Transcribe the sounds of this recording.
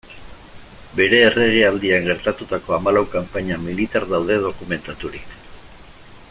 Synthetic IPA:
be̞ɾe̞ːre̞ɣ̞iald̪iaŋɡe̞ɾt̪at̪ut̪ako̞amalawkampaɲamilit̪aɾðawðe̞ð̞o̞kume̞nt̪at̪uɾik

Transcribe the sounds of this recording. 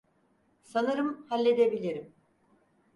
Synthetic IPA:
sanɯɾɯmhalʲːe̞d̪ebilʲiɾim

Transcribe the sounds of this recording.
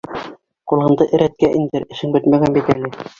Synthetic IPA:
qulˠʁɤ̆nd̪ɤʔɘ̆ɾæt̪̚kæʔind̪ɘɾɘ̆ʃɘŋbɘt̪mæɡænbit̪ælɘ

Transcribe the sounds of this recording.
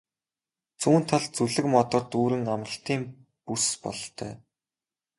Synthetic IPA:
t͡suːnt̪ʰaɮt͡suɮɘ̆kmɔt̪ɞ̆rt̪uːɾɘ̆ŋamʁə̆ɬt̪iːm | puspɔ̰ɮt̪ʰœ̰ː

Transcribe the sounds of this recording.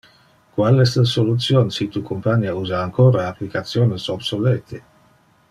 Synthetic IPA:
kwalɛst̪lasolut̪sjonsit̪ukompaɲauzaːŋkoːɾaaplikat̪sjoːnesobsoleːt̪ʰe

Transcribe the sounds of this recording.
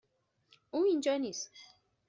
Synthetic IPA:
ʔuːind͡ʒɑniːst̪

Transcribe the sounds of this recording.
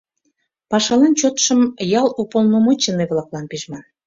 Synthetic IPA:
pɑʃɑlɑnt͡ɕot̪ʃəmjɑlupolnomot͡ɕəneβlɑklɑnpiʒmɑn

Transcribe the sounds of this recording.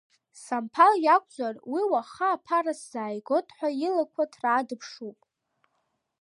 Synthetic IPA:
sampʰaljakʷʰʼd͡zʷarwiwaχaːpʰarasz̥aːjɡotʰʼħʷailakʷʰatʰraːdɨpʰʂupʼ

